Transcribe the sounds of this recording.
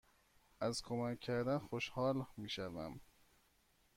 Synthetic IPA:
ʔæzkʰomækʰːæɾd̪ænxoʃhɒːlmiːʃævæ̰m

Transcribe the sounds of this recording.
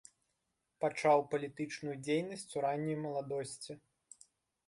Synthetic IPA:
pat͡ʂawpɐlʲit̪ɨt͡ʂnujud͡zʲejnɐsʲt͡sʲuɾanʲːɐjmɐlˠad̪ɔsʲt͡sʲi

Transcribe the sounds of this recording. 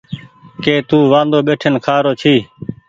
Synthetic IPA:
keːt̪uːʋãːnd̪oːɓeːʈʰenkʰaːɾoːt͡ʃʰiː

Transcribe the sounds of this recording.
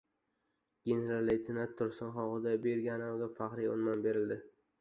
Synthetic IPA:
ɡ̥ʲeneɾalːit̪ʰɪnat̪ʰːʊɾsɪnχɒʁɨd̪abeɾɡʲanawɡʲafaqɾijʊ̰nmanbe̞ɾɪld̪ɪ

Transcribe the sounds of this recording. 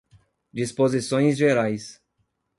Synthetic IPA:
d͡ʒispozisõj̃zʒeɾajs

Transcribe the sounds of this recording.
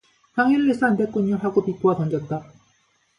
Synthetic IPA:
saŋiɭːes͈andek͈uɲːuɦaɡopik͈ʰoapʌnd͡ʑʌt̚t͈a

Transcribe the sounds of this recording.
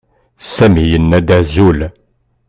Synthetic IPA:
sæmijənːæd̪æzul

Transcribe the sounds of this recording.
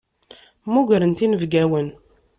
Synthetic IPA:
muʝəɾənt̪inəvɡæwən

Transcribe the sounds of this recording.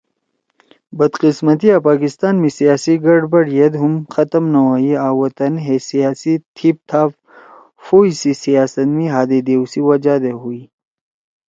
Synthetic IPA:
bɐd̪qɪsmɐt̪̬iapaːkɪst̪aːnmẽsijaːsiɡɐɽbɐɽjɐd̪ɦʊmxɐt̪əmnɐwaːiaːwɐt̪ɐnɦesijaːsit̪ʰip̚t̪ʰaːf | foːisisijaːsɐt̪mĩɦaːd̪ed̪eːusiwɐd͡ʒaːd̪eɦui

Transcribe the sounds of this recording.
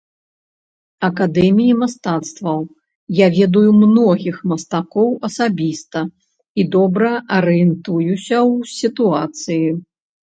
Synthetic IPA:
ɐkad̪ɛmʲijimast̪at̪st̪vɐw | javʲɛd̪ujumnɔɣʲixmɐst̪akɔwɐsabʲist̪ɐ | id̪ɔbɾɐʔɐɾɨjɛnt̪ujusʲɐwsʲit̪uat̪sɨji

